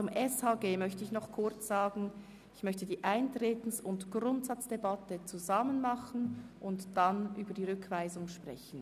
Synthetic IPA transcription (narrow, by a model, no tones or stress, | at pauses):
t͡sʊmʔɛshaːɡeːmœçtəɪçnɔχkʰʊʁt͡sz̥aːɡn̩ | ɪçmœçtədiːʔaɪntʁ̥eːtn̩sʊntɡ̥ʁʊntz̥at͡sd̥ebatət͡suzamənmɑχn̩ʔʊntd̥anʔyːbɐdiːʁʏkʰv̥aɪzʊŋʃpʁ̥ɛ̰çn̩